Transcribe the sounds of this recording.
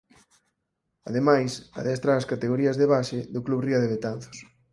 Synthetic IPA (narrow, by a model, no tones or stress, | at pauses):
a̰ðemajsa̰ðɛst̪ɾaːskat̪eɣoɾiɐzðeβaʃeðʊkluβriɐðeβ̞et̪an̟θʊ̥s